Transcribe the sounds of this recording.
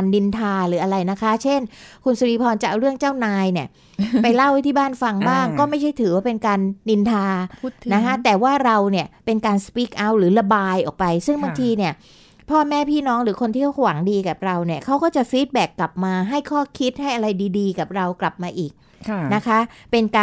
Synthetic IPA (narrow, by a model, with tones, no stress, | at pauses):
nːi˧nt̪ʰaː˧ɾɯː˩˦ʔa˧ɾa˧jna˦˥kʰa˦˥t͡ɕʰe˥˩nkʰu˧nsu˧ɾiː˧pʰɔː˧nt͡ɕa˨˩ʔwɾɯ˥˩əŋt͡ɕaː˥˩wnaː˧jni˥˩ɐ | pa˧jla˥˩wt̪ʰiː˥˩baː˥˩nfa˧ŋbaː˥˩ŋkɔː˥˩ma˥˩jt͡ɕʰa˥˩jt̪ʰɯː˩˦waː˥˩pe˧nkaː˧nːi˧nt̪ʰaː˧na˦˧˦kʰa˦˥t̪ɛː˨˩waː˥˩ɾa˧wni˥˩ɐpe˧nkaː˧nspiː˦˥k̚ʔa˦˥˩wɾɯː˩˦la˧baː˧jʔɔː˨˩k̚pa˧jsɯ˥˩ŋba˧ŋt̪ʰiː˧ni˥˩ɐ | pʰɔː˥˩mɛː˥˩pʰiː˥˩nɔː˦˥ŋɾɯː˩˦kʰo˧nt̪ʰiː˥˩˨waː˩˦ŋdiː˧ka˨˩p̚ɾa˧wni˥˩ɐkʰa˦˥wkɔː˥˩t͡ɕa˨˩ʔfiː˦˥t̪̚bɛː˨˩kːla˨˩p̚maː˧ɦa˥˩jkʰɔː˥˩kʰi˦˥t̪̚ha˥˩jʔa˧ɾa˧jdiː˧diː˧ka˨˩p̚ɾa˧wkla˨˩p̚maː˧ʔiː˨˩k̚ | na˦˥kʰa˦˥pe˧nkaː˧